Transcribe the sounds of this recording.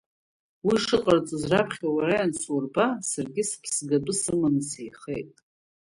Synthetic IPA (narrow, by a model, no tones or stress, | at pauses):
wiʂɨqʼart͡sʼuzrapʰχʲawaɾajansurbasarɡʲɪspʰsɡatʼʊsɨmɨnsejχejtʼ